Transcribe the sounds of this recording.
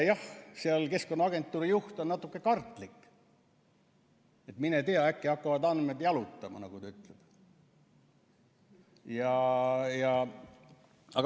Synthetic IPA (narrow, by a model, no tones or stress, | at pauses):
jɑhseɑlke̞skonːɑɑɡ̥e̞nt̪ːˑuːɾijuht̪o̞nnɑt̪ːˑukˑːe̞kɑrt̪ːˑlikː | e̞t̪minet̪eɑækːiɑkːɑvɑd̪ɑnmed̪jɑlut̪ːˑɑmɑ̰nɑɡ̥ut̪ɑyt̪leb̥ | jɑjɑ | ɑɡ